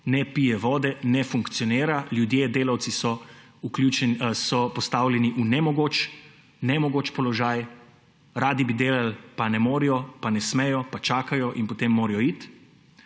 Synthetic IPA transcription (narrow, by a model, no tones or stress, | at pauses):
nɛpijɛʋɔːd̪ɛnɛfuŋkt̪sijɔneːɾaljud̪jeːd̪eːlawt̪sisɔ | uklut͡ʃɛsɔpɔst̪awlʲjɛniʔunɛmɔɡoːt͡ʃ | nɛmɔɡoːt͡ʃpɔlɔʒaːj | ɾaːd̪ibid̪eːlalpanɛmoːɾijɔpanɛsmɛjɔpat͡ʃaːkajɔʔinpɔt̪emːoːɾɛjɔit̪